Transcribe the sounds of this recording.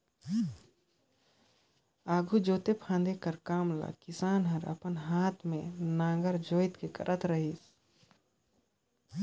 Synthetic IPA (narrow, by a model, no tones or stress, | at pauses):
aːɡud͡ʒoːt̪epʰãːnd̪ekəɾkaːmla̰ːkɪsaːnɦəɾɐ̰pənɦaːt̪ʰmẽnãːɡəɾd͡ʒoːɪt̪kekə̰ɾʔət̪ɾəɦis